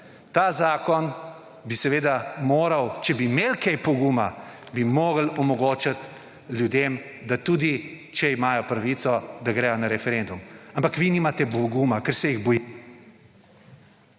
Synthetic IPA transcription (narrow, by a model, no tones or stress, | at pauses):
t̪aːzaːkɔn | bisɛʋeːd̪amoːɾawt͡ʃɛbimeːlkejpɔɡumabimoːɡəlɔmɔɡoːt͡ʃat̪ | ljud̪em | d̪at̪uːd̪i | t͡ʃɛimaːjɔpɾaʋit̪sɔd̪aɡɾɛjɔnaɾɛfɛɾend̪umampakʋinimat̪ɛbɔɡumakəɾsɛjiɣbɔji